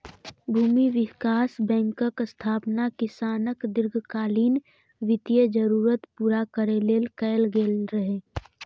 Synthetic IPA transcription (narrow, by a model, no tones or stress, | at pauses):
bʱuːmiʋɪkaːsbɛ̃ːŋkəkst̪ʰaːpnakɪsaːnəkd̪ɪɾɡʱkaːliːn | ʋɪt̪ijəd͡ʒəɾuːɾət̪puːɾakəɾeleːlkɛːlɡeːlɾəɦeː